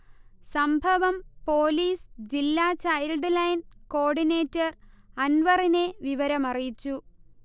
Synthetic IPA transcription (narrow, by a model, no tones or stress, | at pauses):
sɐmbʱɐʋɐmpo̞ːliːsd͡ʑilːaːt͡ɕɐjlɖlɐjnko̞ːɖine̞ːtːɐr | ɐnʋɐrine̞ʋiʋɐɾɐmɐrijit͡ɕːu